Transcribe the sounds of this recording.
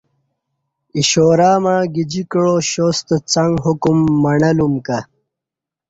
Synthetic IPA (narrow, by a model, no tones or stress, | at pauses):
iɕoːɾaːmaːɡid͡ʑikɻoːɕost̪ət͡sɐŋɡɦukumːɐɳɐlumkɐ